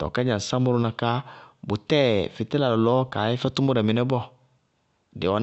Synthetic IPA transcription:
tɔ̰˨ka˦ɲã˨sa˦mʊ˦ɾʊ˦nã˧ka˦bʊ˨tɛ˦˨fɪ˨tɛ˦la˨lɔ˨lɔː˦ka˨ɪ˦fɛ˦tʊ˦mɔ˦ɾɛ˨mɪ˨nɛ˦bɔ˦˨ | dɪ˨wɔ˨n

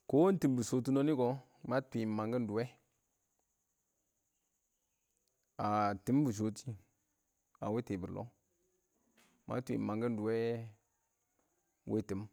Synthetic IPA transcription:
ko˦n˦ti˨mbu˨so˨tu˦no˦ni˦ko˨ | ma˦tʷi˨ma˨ŋɡə˦n˦du˨we˦ | a˨ti˨˦m˦bu˨s̬o˨ti˦ | a̰˨we˦te˨bə˨ɾlo̰˦ | ma̰˦tʷḭ˨ma˨ŋɡə˦n˦du˨we˦ | wʔḛ˦ti˨m

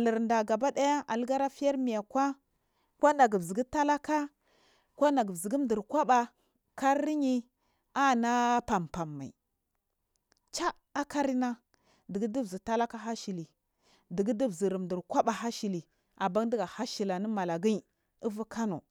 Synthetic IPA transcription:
a˨lə˨ɾnda˨ɡa˨ba˦da˦ja˦a˨lɡa˦ɾa˦fi˦ja˦ɾmi˨ja˨kʷa˦ | kʷa˦na˨ɡi˨vzi˨ɡi˦ta˦la˦ka˦ | kʷa˦na˨ɡi˨vzi˨ɡi˦m˦di˨ɾkʷa˦ba˨ | ka˦ɾːi˦ɲi˦ | a˦na˦pa˨mpa˨mːa̰˨ḭ˨ | t͡ʃa˦ | a˦ka˦ɾi˦na˦ | di˨ɡi˦di˦vzi˨ta˦la˦ka˦ɦa˦ʃi˨li˨ | di˨ɡi˦di˦vzi˨ɾi˨m˨di˨ɾkʷa˦ɓa˨ɦa˦ʃi˨li˨ | a˨ba˦ŋ˦di˦ɡa˨ha˦ʃi˨la˨ni˦ma˨la˨ɡi˦i˨ | i˦vu˦kʰa˦no̰˨

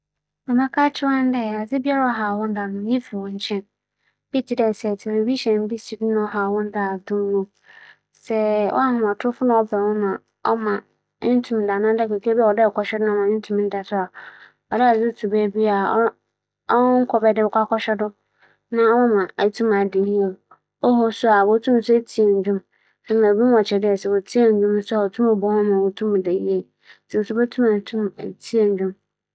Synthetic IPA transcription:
bɛ˨mã˦kʰa˦t͡ɕʰɪ˦wã˦n˦dɛ˦˨a˨zɪ˦bi˦a˦ɾa˦ɔ˦ɦa˨wɔ̃˦n˦da˨nʊ̃˨˦ji˦fi˨wɔ̃˨ɲ˨t͡ɕʰɛ̃˦n | b̥i˦tʰi˨dɛ˨sɛ˨tʰɪ˨e˨bi˦ɕɛ̃˨m˦bi˦si˨bi˦nã˦ɔ˦ɦa˨wɔ̃˦n˦da˨dũ˦mː˦ũ˦ | sɛ˦wɔ̰˦a˦hʊ̃˨m˨a˨tʰʊ˦fʊ˦nʊ̃˦ɔ˦bɛ˨wʊ̃˦mã˨ | ɔ̰˦mã˨˦ | n̩˦tʰũ˨m˨da˨nã˦da˦kɛ˨kʰe˦bi˦a˨ɔ˨dɛ˦˨kʰɔ˨ʃᶣɛ˦dʊ˦ã˦˨mã˨n˦tʰũ˦m˨n̩˦da˨sʊ˦a˨ | ɔ˨da˦a˨sʊ˦tʰu˨be˦bi˦a˨˦ | ɔ˦ŋ̩˦kʰɔ˨bɛ˦dɪ˦ɛ˨kʷa˦kʰɔ˦ɕᶣɛ˦dʊ˦ | nã˦wɔ˦mã˨a˨tʰũ˦ma˨dĩ˨n˦hĩ˦ɛ˨ | ɔ˦ɦɔ˦sʊ˦a˨wo˦tʰũ˦m˨sʊ˦e˦tʰi˦e˨ɲ˨d͡ʑᶣʊ̃˦m | sɛ˦nã˨bi˦n˦wɔ˨t͡ɕʰɛ˨dɪ˦ɛ˨sɛ˨wo˨tʰi˦e˨ɲ˨d͡ʑᶣũ˦m˦sʊ˦a˨ɔ˨tʰũ˦mɔ˨bɔ˦ʊ̃˦mã˨wo˦tʰũ˦m˨de˨i˦e˨˦ | sʰĩ˨m˨sʊ˦bɛ˦tʰũ˦ma˨tʰũ˦mḛ˨tʰi˦e˨ɲ˨d͡ʑᶣũ˦m

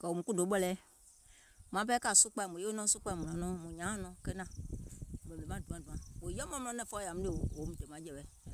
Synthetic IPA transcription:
kɛ˨wo˨mũ˨ku˦do˨˦ɓɛ˦lɛː˦ | mã˨˦pɛ˦ka˨su˦k͡pa˧˨mũ˨e˦o˦nɔ̃˦su˦k͡pa˧˦˨mũ˨ã˨nɔ̃˦mũ˨ɲã˨˦nɔ̃˨˦kɛ˦nã˨ | mɛ̃˨e˨mã˦˨dũ˨ã˨dũ˨ã˨wo˨jɔ˦m˦ɔ̃˦m̃˦˨ɔ̃˦nɛ̃˨fɔ˦ja˨m̩ũ˦e˨wo˨o˨˦mũ˨de˨mã˨˦d͡ʒɛ˨ɓɛ˨

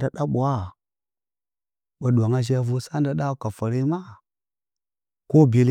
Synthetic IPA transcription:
da˦ɗa˦ɓu˨wa˦ | ɓa˨ɗu˨a˨ŋa˦ʒa˦vu˦sa˦nda˦ɗa˦ka˨fa˨ɾi˦ma˦ | ko˦bi˨l

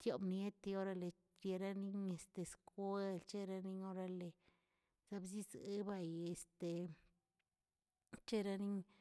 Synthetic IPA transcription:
t̪jo˨˧bnje˦t̪i˧o˦ɾa˧le˨ | t͡ʃje˧ɾa˦ni˦ɲe˨st̪e˨skwe˦lt͡ʃe˦ɾa˦˧ni˦ɲo˦ɾa˧le˨ | z̥a˧bzi˦ze˦ba˧je˨st̪e˨ | t͡ʃe˦˧ɾa˦ni˦ɲ

